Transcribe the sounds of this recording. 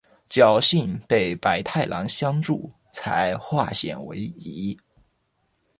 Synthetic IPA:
t͡ɕjɑ˥˩ʊɕi˥˩npe˥˩ɪpa˧˥ɪt̪ʰa˥˩ɪlʔɑ̰˧˥ŋɕjɑ˥ŋʈ͡ʂu˥˩ | t͡sʰa̰˧˥ɪxwa˥˩ɕjɛ̰˨˩nwḛ˧˥ɪi˧˥

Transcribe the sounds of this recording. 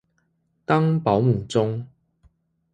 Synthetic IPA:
t̪a˦˥ŋpa˨˦wmu˨˩t͡sʊ˦ŋ

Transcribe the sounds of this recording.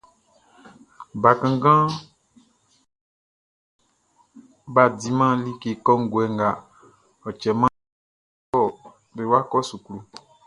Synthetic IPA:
ba˨kã˨ŋɡã˦ | ba˨di˨˦mã˦li˦ke˨kɔ˦ŋ̩˦ɡwɛ˨ŋ˨ɡa˨ | ɔ˨t͡ʃɛ˨mã˦ | ɔ˦˨ | be˨wa˦kɔ˦su˨klu˨

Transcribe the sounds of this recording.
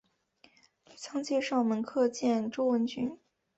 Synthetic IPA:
t͡ɕʰɑ˥ŋt͡ɕɛ˥˧ʂɑ˥˩ʊmə˧˥nkʰɤ˥˧t͡ɕjɛ˥˩nʈ͡ʂo˥ʊwə˧˥nt͡ɕʰy˧˥n

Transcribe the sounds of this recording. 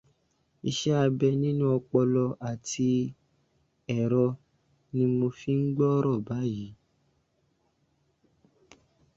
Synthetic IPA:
i˧ʃɛ˦a˧bɛ˧nĩ˦nũ˦ɔ˧k͡pɔ˧lɔ˧ʔa˨ti˧ | ɛ˨ɾɔ˧ | nĩ˧mo˧fi˦ŋ̩˦ɡ͡bɔ˦ɾɔ˦˨ba˨˦ji˨˦

